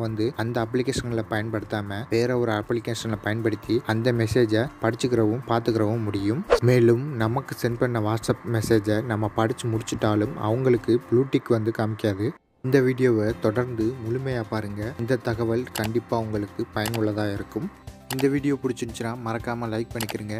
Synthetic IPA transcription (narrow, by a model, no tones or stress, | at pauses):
ʋɐnd̪ɯɐnd̪ɐɐp̬ːlɪkeːʂɐnɡɪlɐpɐjɐnpɐɽɯt̪ːaːmɐʋeːɾɐɔɾɯɐpːlɪkeːʂɐnlɐpɐjɐnpɐɽɯt̪ːiɐnd̪ɐmɛseːd͡ʒɐpɐɽɪt͡ʃːɯkːɪɾɐʋɯmpaːɾt̪ɯkɪɾɐʋɯmːʊɽɪjɯmmeːlɯmnɐmɐkːɯsɛnpɐɳːɐʋaːʈsɐp̚mɛseːd͡ʒɐnɐmːɐpɐɽɪt͡ʃːɯmʊɽɪt͡ʃːɯʈːaːlɯmɐ̰ʋɐŋɡɐɭɯkːɯbɭuːʈːɪkːɯʋɐnd̪ɯkɐmɪkːɪaːðɯ | ɪnd̪ɐʋiːɽɪjoːʋɐt̪ɔɽɐɾnd̪ɯmʊɻʊmeːjaːpaːɾɯŋɡɐɪnd̪ɐt̪ɐɣɐʋɐɭkɐɳɖɪpːaːɐʋɐŋɡɐɭɯkːɯpɐjɐnʊɭːɐðaːɪɾɯkːɯm | ɪnd̪ɐʋiːɽɪjoːpʊɽɪt͡ʃːɯnt͡ʃːɪnaːmɐɾɐkːaːmɐlɐɪk̚pɐɳːɪkːɪɾɯːŋɡɐ